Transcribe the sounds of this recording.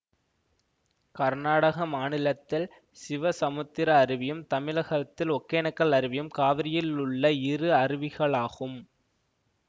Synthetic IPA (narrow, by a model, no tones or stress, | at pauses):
kɐɾnaːɽɐɣɐmaːnɪlɐt̪ːɪl | sɪʋɐsɐmɯt̪ːɪɾɐːɾɪʋɪjɯmt̪ɐmɪlɐɣɐt̪ːɪlɔkːeːnɐkːɐɭɐɾɪʋɪjɯmkaːʋɪɾɪjɪlʊɭːɐɪrɯɐɾɪʋɪɣɐɭaːɣɯm